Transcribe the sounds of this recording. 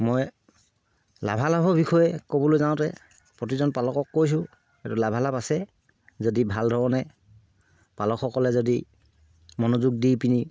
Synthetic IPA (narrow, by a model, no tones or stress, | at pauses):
moj | la̰bʱalabɔbixɔjɛkobɔlojzaʊ̃tɛ | pɹot̬izɔnpalɔkɔkːojs̬ʊ̃ | ɛtulabʱalapasɛ | zodibʱaldʱɔɹɔnɛ | palɔkxɔkɔlɛzodi | mɔnozuɡ̚dipini